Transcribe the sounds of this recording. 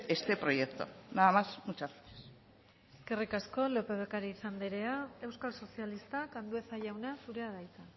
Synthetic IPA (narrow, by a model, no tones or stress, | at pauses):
est̪e̞pɾo̞jekt̪o̞̰naðamasmut͡ʃasines | eske̞rikasko̞lo̞pe̞βekaɾiisand̪eɾe̞ae̞wskalso̞sialist̪akand̪ue̞θaʝawneasuɾe̞aðajt̪a